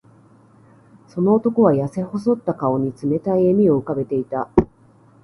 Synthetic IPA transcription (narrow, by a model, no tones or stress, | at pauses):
so̞no̞ːt̪o̞ko̞β̞ajase̞ho̞so̞t̪ːakao̞ɲ̟it͡sɨme̞t̪aiemʲio̞ɯ̟kabe̞t̪e̞it̪a